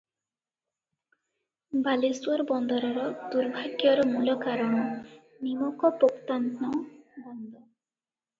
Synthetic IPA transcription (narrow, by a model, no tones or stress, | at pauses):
balisuaɾbɔnd̪ɔɾɔɾɔd̪uɾbʱaɡjɔɾɔmulɔkaɾɔɽ̃ɔ | nimɔkɔpokt̪ant̪nɔbɔnd̪ɔ